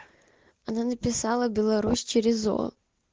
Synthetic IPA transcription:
ɐnanəpʲɪsalˠəbʲɪlˠɐɾusʲt͡ɕɪɾʲɪzo̰

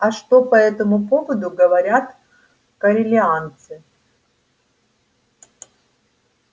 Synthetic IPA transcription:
ɐʂt̪o̞pɐɛt̪əmʊpo̞vəd̪ʊɡəvɐɾʲat̪ | kəɾʲɪlʲɪant̪sɨ

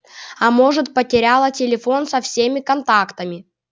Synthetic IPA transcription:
ɐmo̞ʐɨt̪̚pətʲɪɾʲalˠətʲɪlʲɪfo̞nsɐfsʲemʲɪkɐnt̪akt̪əmʲɪ

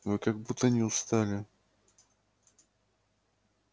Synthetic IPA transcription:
vɨkaɡbut̪ːənʲɪʊst̪alʲɪ

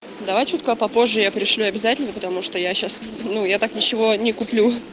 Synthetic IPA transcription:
d̪ɐvajt͡ɕut̪kəpɐpo̞ʐːɨjapɾʲɪʂlʲuɐbʲɪzatʲɪlʲnəpət̪ɐmuʂt̪ojaɕasnujat̪aknʲɪt͡ɕɪvo̞nʲɪkʊplʲu

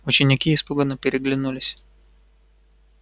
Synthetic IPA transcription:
ʊt͡ʃʲɪnʲɪkʲiispʊɡɐnɐpʲɪɾʲɪɡlʲɪnulʲɪsʲ

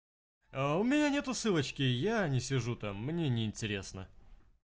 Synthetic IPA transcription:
aʊmʲɪnʲanʲe̞t̪ʊsɨlˠət͡ɕkʲɪjanʲɪsʲɪʐut̪amːnʲenʲɪɪnʲtʲɪɾʲesnə

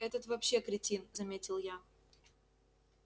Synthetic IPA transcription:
ɛt̪ət̪vɐpɕːe̞kɾʲɪtʲinzɐmʲetʲɪlˠja

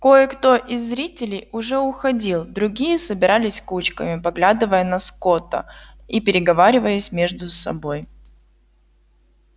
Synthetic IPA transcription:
ko̞jəkt̪o̞ʔɪzːɾʲitʲɪlʲɪjʊʐɛʊxɐdʲilˠd̪ɾʊɡʲijəsəbʲɪɾalʲɪsʲkut͡ɕkə̰mʲɪpɐɡlʲad̪ɨvəjənɐsko̞t̪ə̰ | ipʲɪɾʲɪɡɐvaɾʲɪvəjəsʲmʲeʐd̪ʊsɐ̰bo̞j

